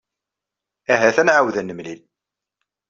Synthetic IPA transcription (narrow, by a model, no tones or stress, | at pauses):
æɦæθænʕawðænːəmlil